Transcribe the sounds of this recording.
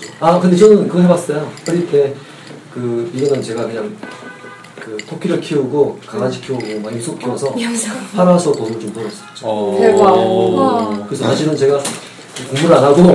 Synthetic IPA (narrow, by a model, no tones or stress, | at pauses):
akɯnd̪e̞t͡ɕʌnɯnkɯɡʌɦebas͈ʌjokʌɾitʰe̞ | kɯiɡʌnɯnt͡ɕe̞ɡakɯɲaŋ | kɯtʰokʰiɾɯɭkʰiuɡokaɡaɕʰi̥kʰiuɡomaŋis͈ʰokʰiwʌsʰʌpʰaɾasʰʌtosmɯɭt͡ɕompoɾʌs͈ɯ̥t͡ɕea | kɯɾesʰsʰaɕʰiɾɯnt͡ɕe̞ɡa | kɯkoŋmuɾɯɭanaɡo